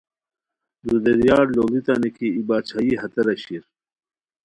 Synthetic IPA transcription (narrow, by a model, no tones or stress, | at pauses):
d̪ud̪eɾjaːɾloːlit̪anikʰiibaːt͡ɕʰaiɦɐt̪ɐɾɐɕiɾ